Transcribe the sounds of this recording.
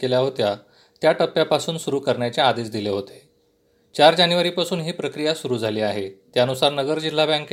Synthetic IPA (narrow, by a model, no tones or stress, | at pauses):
keljaɦot̪ja | t̪jaʈəpːjapasuːnsuɾuːkəɾɳjat͡ɕead̪esd̪ileɦot̪e | t͡ɕaɾd͡ʑanʋəɾiːpasuːnɦiːpɾəkɾijasuɾuːd͡zʱaliːaɦet̪janusaɾnəɡəɾd͡ʑil̤ːabãŋk